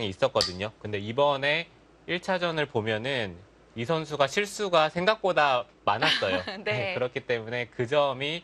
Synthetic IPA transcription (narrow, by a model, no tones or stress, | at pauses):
ŋiːs͈ʌt̚k͈ʌdɯɲokɯnde̞ibʌne̞ | iɭt͡ɕʰad͡ʑʌnɯɭpomjʌnɯn | isʰʌns̬ʰuɡaɕʰiɭs͈uɡasʰe̞ŋɡak̚p͈oda | manas͈ʌjoekɯɾʌkʰit͈e̞mune̞kɯd͡ʑʌmi